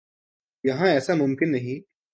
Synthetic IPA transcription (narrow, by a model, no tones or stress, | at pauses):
jɐɦãɛsamʊmkɪnːɐɦĩ